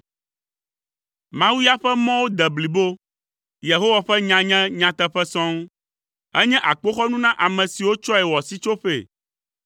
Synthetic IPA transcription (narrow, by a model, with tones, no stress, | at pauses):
mã˨wu˦ja˦ɸɛ˦mɔ̃˦wo˦d̪ɛ˨bli˨bo˦ | je˨ɦo˦wa˨ɸɛ˦ɲã˨ɲɛ̃˦ɲã˨t̪ɛ˦ɸɛ˦sɔ̃˦ŋ˦ | ɛ˦ɲɛ̃˦ʔa˨k͡po˦xɔ˦nũ˦nã˦ʔa˨mɛ̃˨si˨wo˦t͡ʃɔ˦ɛ˨wɔ˨si˦t͡ʃo˦ɸḛ˨